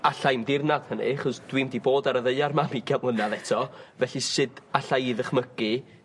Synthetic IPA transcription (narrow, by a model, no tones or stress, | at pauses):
aɬajmdɪrnað̥hənḭaχɔsd̥wimdiboːdaɾəðəɨarmamiɡɛmlˠənaðɛtʰɔvɛɬisɨdaɬajðəχməɡɨ